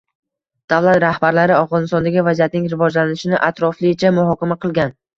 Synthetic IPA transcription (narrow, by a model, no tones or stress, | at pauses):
d̪̥avlˠat̪ɾahbaɾlaɾɪafʁɒnɪst̪ɒnd̪aɡʲɪvazijat̪̚nɪŋɾɪvɒd͡ʒlanɪʃɪnɪʔat̪ɾɒflɪt͡ʃʰamʊhɒkʲamaqʰɨlˠɡʲan